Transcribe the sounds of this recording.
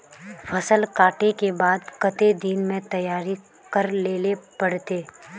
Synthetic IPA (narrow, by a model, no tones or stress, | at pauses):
fʰɐsəlkaːʈekebaːd̪kɐt̪ed̪iːnmẽt̪ɐjaːɾi | kɐɾleːlepɐɽt̪eː